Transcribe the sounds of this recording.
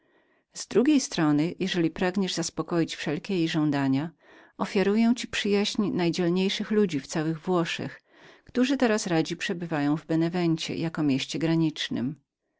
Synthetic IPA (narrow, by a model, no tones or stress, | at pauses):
z̥d̪ɾuɡʲejst̪ɾɔnɘjʔɛʐɛlʲipɾaɡɲɛʐzaspɔkɔjit͡ɕfʂɛlkʲɛjejʐɔ̃w̃d̪aɲa | ɔfʲjaɾujɛw̃t͡ɕipʂɘjaʑɲnajd͡ʑɛlɲejʂɘxlud͡ʑift̪sawɘɣvwɔʂɛ̰x | kt̪uʐɘt̪ɛɾasɾad͡ʑipʂɛbɘvajɔ̃w̃vbɛnɛvɛɲt͡ɕɛ̰jakɔmʲjeɕt͡ɕɛɡɾaɲit͡ʂnɘ̰m